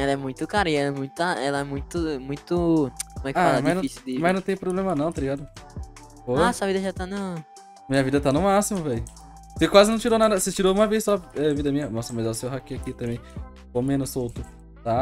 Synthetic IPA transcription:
ɛlɐɛmũj̃t̪ʊkaɾɐɪɛlɛmũj̃t̪ʊɐɛlɐɛmũj̃t̪ʊmũj̃t̪ʊkõmɛkaamaznɐ̃fisid̪imajznɐ̃w̃t̪ẽj̃pɾoblẽmɐnɐ̃w̃t̪aliɡad̪ʊ | fojasɐvid̪ɐʒat̪anʊ | mĩɲɐvid̪ɐt̪anʊmasimʊvɛj | sekwazɪnɐ̃w̃t͡ʃiɾonad̪ɐset͡ʃiɾoũmɐvejsɔɛvid̪ɐmĩɲɐnmɔsɐmɐzɛʊsewɦakiakit̪ɐ̃mbẽj̃ | komẽnʊssowt̪ʊ | t̪a

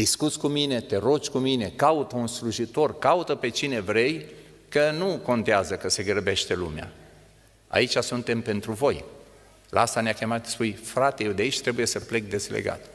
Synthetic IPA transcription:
d̪iskut̪sʲkumine̞t̪e̞ɾot͡ʃʲkumine̞kaut̪əunsluʒit̪o̞rkaut̪əpe̞t͡ʃine̞vɾe̞j | kənuko̞nt̪eazəkəse̞ɡɾbe̞ʃt̪e̞lṵmja̰ | a̰it͡ʃʲasunt̪e̞mpe̞nt̪ɾuvo̞j | lʔa̰ast̪aneakʲe̞mat̪spujfɾat̪ejewd̪eait͡ʃʲt̪ɾe̞buje̞səple̞k̚d̪e̞zlḛɡa̰t̪

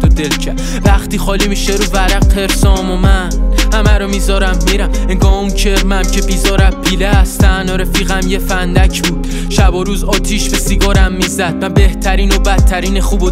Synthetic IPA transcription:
d̪od̪elcʰæ | væχt̪iːxɒːliːmiːʃeɾuːvæɾæq̚pʰe̞ɾsɒːmomænhæmæɾomizɒːɾæmːiːɾæm | eŋɡɒːhunt͡ʃʰeɾmæmcʰebiːzɒːɾæd̚pʰiːleæst̪ænoɾefiːɣæmjefænd̪æcʰbuːd̪̥ | ʃæboɾuːzɒːt̪ʰiːʃbesiɡɒːɾæmːiːzæd̪̚mænbe̞ht̪ʰæɾiːnobæt̪ʰːæɾiːneχuːbo

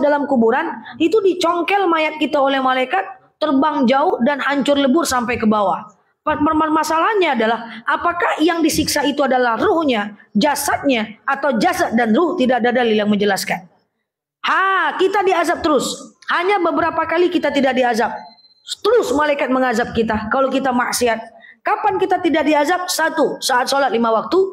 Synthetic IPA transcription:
dalamkubuɾan | it̪udit͡ʃɔŋkɛlmajat̪̚kit̪aolɛhmalajkat̪̚ː | ərbaŋd͡ʒaʊhdanhaɲt͡ʃʊrləbʊrsampajkəbawa | pəmərmarmasalaɲaːdalahʔapakahjaŋdisiksait̪uadalahruhɲad͡ʒasat̪̚ɲaat̪awd͡ʒasat̪̚danrʊht̪idak̚dadaliljaŋməɲd͡ʒəlaskan | hakit̪adiazap̚t̪əɾʊshaɲabəbəɾapakalikit̪at̪idak̚diazap̚ | t̪əɾʊsmalajkat̪̚məŋazap̚kit̪akalowkit̪amaʔsiat̪̚kapankit̪at̪idak̚diazap̚sat̪usaat̪̚solat̪̚limawak̚t̪u

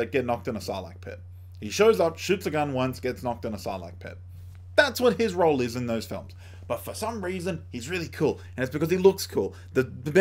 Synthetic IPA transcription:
ɨt̚ɡ̥ɛtⁿnɑk̚tɨ̃nəsaɪdˡlaɪk̚pʰɪ̰t̚ | hiʃoʊzʌpʃʉtsɨɡʌ̃nwʌ̃nsɡ̥ɛtsnɑk̚tɨ̃nəsa̰ɪdˡlaɪk̚pʰɪ̰t̚ | ðætswʌt̚ɪzɹoʊlˠɪzɨ̃nðoʊz̥fɪ̰lˠmz̥ | b̥ʌtfə˞sʌ̃mɹizɨ̃nhizɹɪlˠikʰulˠ | ɨ̃ñɨtsb̥ɨkʌz̥ilʊkskʰulˠ | ðɨðɨbɛ

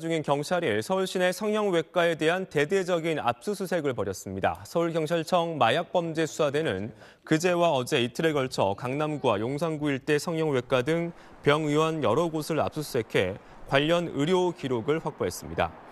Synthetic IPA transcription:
d͡ʑuŋinkjʌŋt͡ɕʰaɾiɭsʰʌuɭɕ͈ine̞sʰʌŋjʌŋwe̞k͈aede̞ɦante̞de̞d͡ʑʌɡina̰p̚s͈usʰusʰe̞ɡɯɭpʌɾjʌs͈ɯmɲida̰sʰʌuɭkjʌŋt͡ɕʰaɭt͡ɕʰʌŋmajak̚p͈ʌmd͡ʑe̞sʰu̥sʰadwe̞nɯn | kɯd͡ʑe̞waʌd͡ʑe̞itʰɯɾe̞ɡʌɭt͡ɕʰʌ̰kaŋnamɡuwajoŋsʰaŋɡuiɭt͈e̞sʰʌŋjʌŋwe̞k͈adɯŋ | pjʌŋiwʌnjʌɾʌɡosʰɯɾa̰p̚s͈usʰusʰe̞kʰe̞ | kwaʎːʌnɯɾjokiɾoɡɯɭɸwak̚p͈oɦe̞s͈ɯmɲida̰

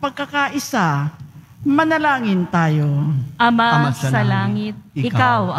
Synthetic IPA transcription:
pɐɡ̚kɐkaʔɪsa | mɐnɐlaːŋɪnt̪aːjoʔɐmaassɐɐlaːŋɪt̪̚ɪɪkkaw

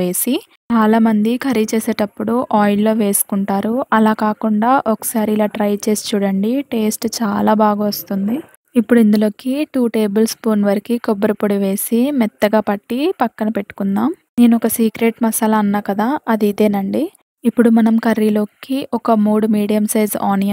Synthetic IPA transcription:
e̞ːsi | t͡ʃaːlaːmɐnd̪ikʰɐɾit͡ʃeːse̞ːʈɐpːuɽuʔaːjilːo̞ːʋe̞ːsu̥kuɳʈaːɾuɐlaːkaːkuɳɖaːʔɔkɐ̥saːɾilaːʈɾɐjt͡ʃe̞ːsi̥t͡ʃuːɽɐɳɖiʈe̞ːsʈt͡ʃaːlaːbaːɡaːʋɐst̪und̪i | ipːuɽuind̪ulo̞ːkiʈuːʈe̞ːbɐlspoːnʋɐɾikikɔbːɐɾɐpoɽiʋe̞ːsimɛt̪ːɐɡaːpɐʈːipɐkːɐnɐpe̞ʈːu̥kunːaːmne̞ːnuɔkɐsiːkɾeːʈmɐsɐlɐɐnːaːkɐd̪aːɐd̪iːd̪e̞ːnɐɳɖi | ipːuɽumɐnɐmkɐɾːilo̞ːkiʔɔkɐmuːɽumiːɽijɐmsɐjd͡ʒaːnijɐ

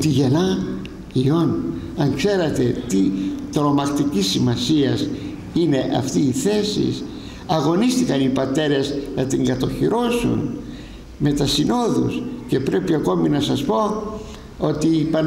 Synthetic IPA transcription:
t̪iʝe̞nɐ | io̞nɐŋkse̞ɾɐt̪e̞t̪it̪ɾo̞mɐkt̪icisːimɐsiɐs | ine̞ʔɐ̰ft̪iːθe̞sḭs | ɐɣo̞nist̪ikɐnipɐt̪e̞ɾe̞znɐt̪iŋɡɐt̪o̞çiɾo̞sṵn | me̞t̪ɐsino̞ðṵsce̞pɾe̞piɐko̞minɐsɐspo̞ | o̞t̪ipɐn

